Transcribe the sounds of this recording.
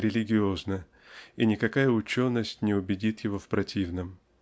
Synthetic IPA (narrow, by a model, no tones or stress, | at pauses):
ɾʲɪlʲɪɡʲɪo̞znə | inʲɪkɐkajəʊt͡ɕo̞nːəsʲtʲnʲɪʊbʲɪdʲit̪jɪvo̞fpɾɐtʲivnəm